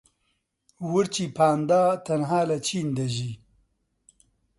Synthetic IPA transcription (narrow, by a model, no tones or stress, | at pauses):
wʊɾt͡ʃipʰaːnd̪aːt̪ɐnɦaːlat͡ʃʰiːnd̪ɐʒi